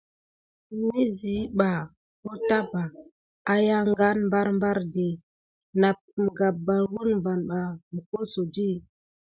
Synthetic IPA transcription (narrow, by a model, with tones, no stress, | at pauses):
mi˦zi˨˦ɓa˨ | ko˦ta˦ba˨ | a˨˦ja˦ŋ˦ɡa˦nmba˦ɾmba˦ɾde˨ | na˨p̚m˨ɡa˨ba˨wu˦nm˨va˨nɓa˨mi˨ko˦so˨d͡ʒi˦˨